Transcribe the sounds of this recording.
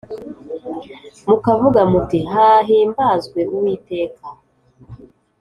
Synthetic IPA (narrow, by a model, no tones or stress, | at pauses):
mukavuɡamutiɦaɦiːmbaːzɡwe̞ʔuwiːte̞ːka